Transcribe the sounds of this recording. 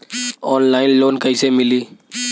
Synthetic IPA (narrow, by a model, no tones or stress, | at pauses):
ɔːnlaːɪnloːnkəisemɪliː